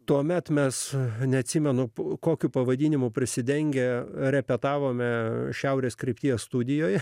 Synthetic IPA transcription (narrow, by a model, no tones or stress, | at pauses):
t̪uɔmʲɛt̪mʲɛsnʲɛɐt̪ʲsʲiːmʲɛnʊkoːkʲuːpɐʋɐd̪ʲiːnʲɪmʊpʲɾʲɪsʲɪd̪ʲɛŋʲɡʲɛɾʲɛpʲɛt̪ɑːʋoːmʲɛʃʲɛʊɾʲeːskɾʲɛɪp̚ʲt̪ʲiːjɛsst̪ud̪ʲɪjoːjɛ